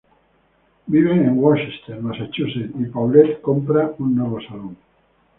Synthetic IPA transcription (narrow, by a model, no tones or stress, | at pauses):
biβeẽŋwaʃist̪enmasat͡ʃuset̪ipawlet̪kompɾaunːoβosaloŋ